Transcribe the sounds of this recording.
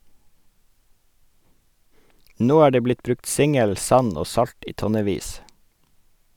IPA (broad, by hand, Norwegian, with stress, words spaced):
ˈnoː ˈæː ˈɖeː ˈblɪt ˈbɾʉkt ˈsɪŋəl ˈsɑn ˈoː ˈsɑʎt ˈiː ˈtɔnəˌʋiːs